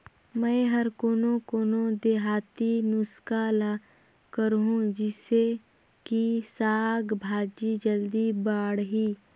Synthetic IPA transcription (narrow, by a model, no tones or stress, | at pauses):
mɛ̃ɦəɾkoːnokoːnod̪eɦaːt̪inʊskaːla | kəɾɦũd͡ʒɪse | kisaːɡbʱaːd͡ʒid͡ʒəld̪ibaːɽɦiː